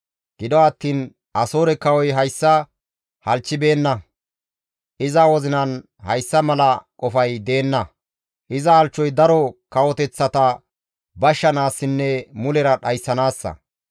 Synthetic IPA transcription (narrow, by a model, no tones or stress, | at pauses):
ɡ̥ɪd̪ɔɐt̪ːiːn | ʔɐso̞ːɾɛkɐwɔjɦɐjsːɐ | hɐlt͡ʃːɪbe̞ːnːɐ | ʔɪzɐwɔzɪnɐn | hɐjsːɐmɐlɐkʼɔfɐjd̪e̞ːnːɐ | ʔɪzɐɐlt͡ʃːɔjd̪ɐɾɔkɐwɔt̪ɛt͡sːɐt̪ɐ | bɐʃːɐnaːsːɪnːɛmʊlɛɾɐɗɐjsːɐnaːsːɐ̰